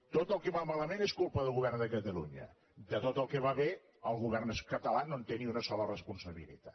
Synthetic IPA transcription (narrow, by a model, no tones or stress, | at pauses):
t̪ot̪əlˠkɛβamaləmeneskulˠpəðəlˠɣuβɛrnd̪əkət̪əlṵɲə̰ | d̪ət̪ot̪əlˠkɛβaβe | əlˠɣuβɛrnəskət̪əlanont̪eniunəsɔlərəspunsəβḭlḭt̪ḁ